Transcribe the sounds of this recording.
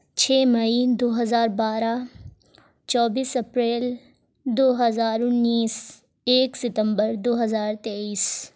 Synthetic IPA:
t͡ʃʰɛːmɐid̪oːɦɐzaːɾbaːɾa | t͡ʃɔːbiːsɐpɾeːl | d̪oːɦəzaːɾʊnːiːs | eːksɪt̪ə̃mbəɾd̪oːɦɐzaːɾt̪eːiːs

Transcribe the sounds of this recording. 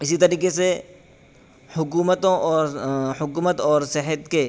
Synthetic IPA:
ɪsit̪ɐɾiːkese | hʊkuːmət̪õʔɔːɾhʊkuːmət̪ɔːɾsɪɦət̪ke

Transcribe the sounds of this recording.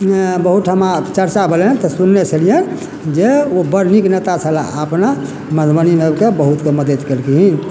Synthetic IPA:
bəɦut̪ɦəmat͡ʃəɾt͡ʃabʱelnt̪ɔsunːet͡ʃʰəlije | d͡ʒeobəɾniknet̪at͡ʃʰəla̰əpna | məd̪ʱbənimebkebəɦut̪keməd̪əd̪kelkiɦin

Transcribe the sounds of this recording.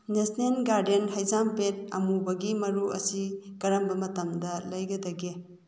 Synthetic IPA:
nesnenɡaɾdenhɐjzampet̚ɐmubɐɡimɐɾuɐ̰siɡ̥ɐɾɐmbɐmɐtɐmdɐlɐjɡɐdɐɡe

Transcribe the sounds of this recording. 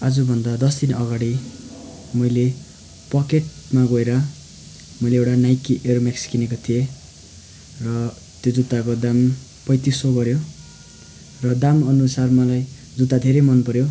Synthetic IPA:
ad͡zubʱʌnd̪ad̪ʌsd̪inʌɡaɽi | mʌjle | pʌkeʈmaɡoeɾʌ | mʌjleewʈanajkiʔeɾomeksi̥kinekot̪ʰije | rʌ | t̪jod͡zut̪ːakod̪am | pʌjt̪isoɡʌɾjo | rʌd̪amʌnusarmʌlaj | d͡zut̪ːad̪ʱeɾʌmʌnpʌɾjo

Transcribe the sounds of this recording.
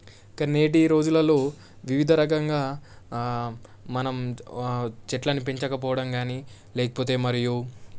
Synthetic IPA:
kɐneːʈiɾo̞ːd͡ʒulɐlo̞ː | ʋiʋid̪ʱɐɾɐkɐŋɡaː | mɐnɐm | t͡ʃɛʈlɐnipeɲt͡ʃɐkɐpɔːʋɐɽɐmɡaːniː | lɛːkɐpoːt̪e̞ːmɐɾiju

